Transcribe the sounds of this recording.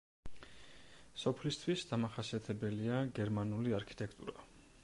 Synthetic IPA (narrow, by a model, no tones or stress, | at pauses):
sɔpʰlist̪ʰwisd̪̥amaχasiat̪ʰɛbɛliaɡɛɾmanuliaɾkʰi̥t̪ʼɛk̚ʰt̪ʼṵɾa